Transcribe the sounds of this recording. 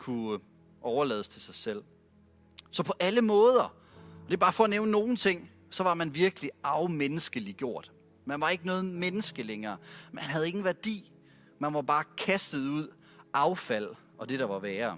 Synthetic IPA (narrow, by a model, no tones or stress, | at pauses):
kʰu | ʔɒʊɐlɛ̰ːð̞ˠst͡sʰe̝lsɑ̈ɪsel̰ | sɒ̽pʰɒ̽ʔæləmɔ̽ːð̞ˠɐ | ɒd̥e̝b̥ɑ̈ːfɒ̽ːneʊnəno̝ːn̩t͡sʰe̝ŋ̰ | sɒ̽ʋɑ̈mænʋiɐɡ̥əliɑ̈ʊmenəsɡ̥əliɡ̥jo̝ɐ̰d̥ | mænʋɑ̈e̝ɡ̥ənɔːð̩ˠmenəsɡ̥əleŋɐːmeæhænɦæð̞ˠe̝ɡ̥n̩ʋæɐd̥ḭː | mænʋɑ̈b̥ɑ̈ːkʰæsd̥ð̞̩ˠuð̞̰ˠ | ʔɑ̈ʊfæl̰ | ɒ̽d̥e̝ɾ̥ɑ̈ʋɑ̈ʋɛːɐ